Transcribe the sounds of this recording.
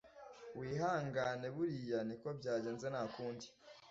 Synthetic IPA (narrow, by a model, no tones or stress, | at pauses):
wiːɦaːŋɡane̞βuɾijaniko̞bɟaːɟe̞ːnzenakuːndi̥